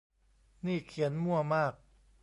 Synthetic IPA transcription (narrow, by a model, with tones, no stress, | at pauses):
niː˥˩kʰi˩˦ənmu˥˩ɐmaː˥˩k̚